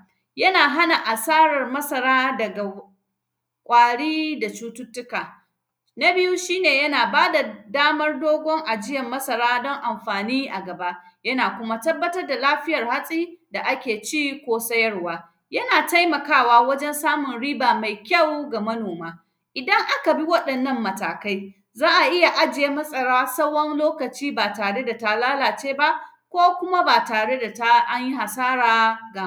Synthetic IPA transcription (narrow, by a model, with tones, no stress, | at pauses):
jɐ˦naː˨ɦa˦na˨ʔa˨saː˦ɽɐ˨rmɐ˦sɐ˨ɾaː˦dɐ˨ɡa˨ | kʷʼaː˨ɽiː˦da˨t͡ʃuː˦tʊ˦tːʊ˦kaː˨ | na˦bɪ˦ju˦ʃiː˦neː˨jɐ˦naː˨baː˦da˨daː˦mɐ˦rdoː˦ɡʷɔ˦ŋʔa˨d͡ʒɪ˦jɐ˨mːɐ˦sɐ˨ɾaː˦dɔ˦ŋʔa˨mɸaː˨niː˦ʔa˨ɡɐ˨ba˦ʔjɐ˦naː˨kʷʊ˦ma˦tɐ˦bːɐ˦tɐ˦rda˨laː˦ɸɪ˦jɐ˨rha˦sʼiː˦da˨ʔa˦kʲeː˨t͡ʃiː˦kʷoː˦sɐ˦jɐ˦rwaː˦ | jɐ˦naː˨ta˦jmɐ˨kaː˦˨waː˦wɐ˦d͡ʒɛ˦nsaː˦mʊ˨nɽiː˦baː˨ma˨jkʲɐ˦˨wɡa˨mɐ˦noː˨maː˦ | ʔɪ˨dɐ˦ŋʔa˦ka˨bi˦wɐ˦ɗɐ˨nːɐ˦mːɐ˨ta̰ː˨ka˦j | zaː˦ʔa˨ʔɪ˦ja˨ʔa˦d͡ʒɪ˨jeː˦mɐ˦sʼɐ˨ɽaː˦sɐ˦wɔ˦nloː˦kɐ˨t͡ʃiː˦baː˨taː˨ɽe˦da˨ta˦˨laː˦laː˨t͡ʃeː˦ba˦ʔ | kʷoː˦kʷʊ˦ma˦baː˨taː˨ɽe˦da˨ta˦ʔa˦ɲji˦ɦa˨saː˦ɽaː˨ɡa˨˦